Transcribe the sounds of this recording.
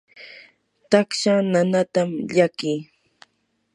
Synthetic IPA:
t̪akʃananat̪amʎakiː

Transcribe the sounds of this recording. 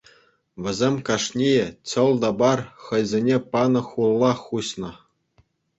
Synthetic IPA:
ʋʲɘ̆zʲemʲkɑʂnʲijĕt͡ɕɤ̆lˠd̪ɑbɑrχɤ̆jzʲenʲepɑnɤ̆χulˠːɑχuɕnɤ̆

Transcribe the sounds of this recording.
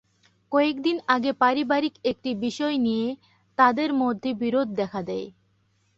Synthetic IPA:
kɔek̚d̪inaɡepaɾibaɾikek̚ʈibiʃɔenije | t̪ad̪eɾmod̪ʱːebiɾod̪̚ʱːɛkʰad̪ɛe

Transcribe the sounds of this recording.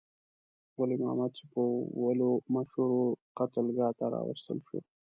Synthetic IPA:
walimaamad̪̚t͡ʃepəwalomaʃhuɾoqat̪əlɡɑt̪aɾɑ̰wə̰st̪ə̰lʃo̰

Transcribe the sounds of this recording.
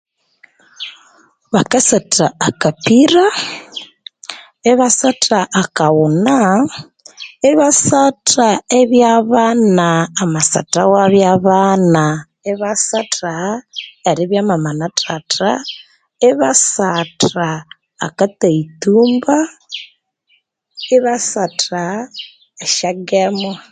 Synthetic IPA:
βakasatʰaakapiɾa | eβasatʰaʔakawuna | eβasatʰaeβjaβanaːmasa̰tawaβjaβana | eβasataeɾiβjamamanatʰata | eβasata̰ː | kataituːmba | eβasata | eʃaɡemo

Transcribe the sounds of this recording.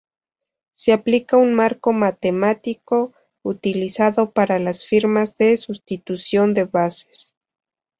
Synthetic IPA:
seaplikaunmaɾko̞mat̪e̞mat̪iko̞ | ut̪ilisaðo̞paɾalasfiɾmazðe̞sust̪it̪usjo̞nd̪e̞βase̥s

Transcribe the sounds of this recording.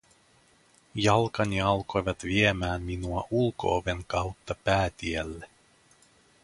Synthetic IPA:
jɑlkɑniɑlko̞jʋɑt̪ʋiemæːnːinuɑʔulko̞̰ːʋe̞ŋkɑwt̪ːɑpæːt̪iælːe

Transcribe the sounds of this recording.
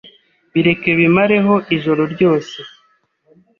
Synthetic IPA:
βiɾe̞ke̞βimaɾe̞ɦo̞ʔiʒo̞ɾo̞ɾɟo̞ːse̞

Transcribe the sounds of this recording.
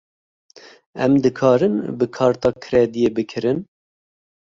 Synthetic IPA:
ɛmd̪ɨkʰɑːɾɨnbɨkʰɑːɾt̪ɑːkʰɨɾɛd̪ijeːbɨkʰɨɾɨn

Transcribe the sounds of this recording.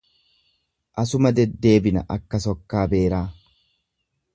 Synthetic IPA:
ʔɐsʊmɐd̪ɛd̪ːe̞ːbɪnɐ̰ʔɐkːɐsɔkːaːbe̞ːɾaː

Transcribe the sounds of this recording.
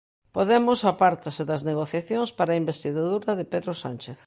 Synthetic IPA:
poðemʊsapaɾt̪ɐsɪðɐzneɣ̞oθjaθjoŋspaɾaimbest̪iɣaðuɾɐðɪpeðɾosant͡ʃeθ

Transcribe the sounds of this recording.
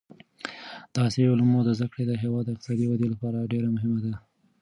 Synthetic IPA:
d̪̥əɑseʊlamod̪əzd̪əkɽed̪əɦewɑd̪ːəɪqt̪ɪ̥sɑd̪iwad̪elapɑɾaɖeɾamʊɦɪmad̪a

